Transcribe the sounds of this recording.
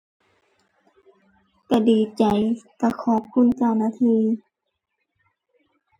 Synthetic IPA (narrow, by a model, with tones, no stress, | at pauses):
ka˧˩diː˨˩t͡ɕa˨jka˧˩kʰɔː˧˦p̚kʰu˧˥˨nt͡ɕa˧˨wnaː˧˥˨t̪ʰiː˧˨